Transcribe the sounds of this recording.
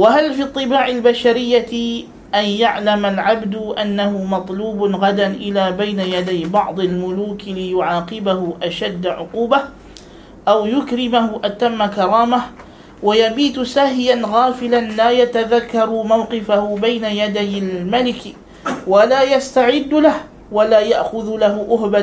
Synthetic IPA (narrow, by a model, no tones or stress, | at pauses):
waɦalfiːɑt̪ˤːɨbaːʕalbaʃaɾɪjːa | ʔanjaʕlamalʕabd̪ʔanːahʊmɑt̪ˤluːbɣad̪anʔɪlaːbajnajad̪ajbɑʕd̪ˤalmʊluːklɪjʊʕɑːqɪbahʊʔaʃad̪ːaʕʊquːba | ʔawjʊkɾɪmahʊʔat̪amːakɑɾˤɑːmah | wajabiːt̪sahjanɣɑːfɪlanlaːjat̪aðakːɑɾˤmawqɪfahʊbajnajad̪ajalmalɪk | walaːjast̪aʕɪd̪ːlah | walaːjaʔxʊðlahʊʔʊhba